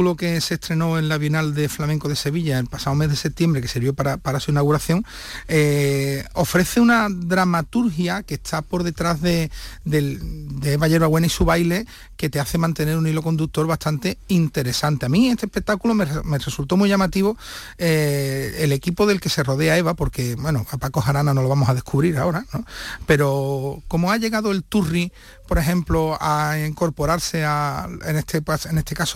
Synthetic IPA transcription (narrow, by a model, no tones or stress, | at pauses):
loke̞se̞st̪ɾe̞no̞e̞nlaβjo̞nald̪e̞flamẽŋkoðe̞se̞βiʎaelpasaome̞zðe̞se̞p̚t̪je̞mbɾe̞ke̞siɾβjo̞paɾapaɾasuinaɣuɾaθjo̞ŋ | e | o̞fɾe̞θe̞unaðɾamat̪uɾxjake̞st̪ʰapo̞ɾðe̞t̪ɾazðe̞d̪eld̪eeβaʝe̞ɾβaɣwe̞naisuβajle̞ | ke̞t̪eaθe̞mãnt̪e̞ne̞ɾunilo̞ko̞nd̪uk̚t̪o̞ɾβaht̪ant̪e̞int̪e̞ɾe̞sant̪eamĩe̞st̪ehpe̞k̚t̪akulomeme̞result̪o̞mujʝamat̪iβo | eele̞kipoðe̞lke̞se̞ro̞ð̞e̞ae̞βapo̞ɾke̞bwe̞noapakoɦaɾanano̞lo̞βamo̞sað̞e̞hkʰuβɾiɾao̞ɾanõ̞pe̞ɾo̞ko̞moaʎe̞ɣað̞oe̞lt̪uri | po̞ɾe̞ɦẽ̞mploaiŋko̞ɾpo̞ɾaɾse̞aenest̪ʰepasenest̪e̞kaso